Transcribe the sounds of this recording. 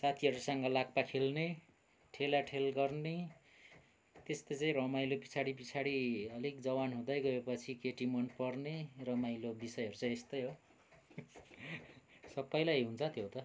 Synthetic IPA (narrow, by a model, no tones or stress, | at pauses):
sat̪ʰiɦʌɾusʌŋɡʌlak̚pakʰelne | ʈʰelaʈʰelɡʌrne | t̪est̪ʌjt͡saĩɾʌmajlopit͡sʰaɽipit͡sʰaɽiʌlik̚d͡zʌwanɦũd̪ʌjɡʌepʌt͡sʰikeʈimʌnpʌrnerʌmajlobisʌjɦʌɾut͡saĩest̪ʌjɦo | sʌbːʌjlajɦunt͡sʰʌt̪jot̪ʌ